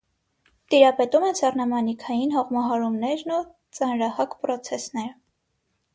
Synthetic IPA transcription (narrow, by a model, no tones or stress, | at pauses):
t̪iɾɑpɛt̪umɛnsɑrnɑmɑnikʰɑjinɦɔʁmɑɦɑɾumnɛɾnu | t͡sɑnɾɑhɑkpɾɔt͡sʰɛsnɛɾ